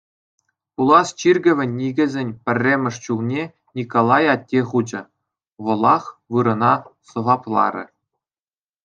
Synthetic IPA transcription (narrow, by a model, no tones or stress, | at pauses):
pulˠɑst͡ɕirʲɡʲɘ̆ʋʲɘ̆nʲːiɡʲɘ̆zʲenʲpʲɘ̆rʲːemʲɘ̆ʂt͡ɕulˠnʲe | nʲikolˠɑjɑtʲːeχud͡ʑɘ̆ | ʋɤ̆lˠɑχʋɯɾɤ̆nɑsɤ̆vɑplˠɑ̰ɾʲɘ̆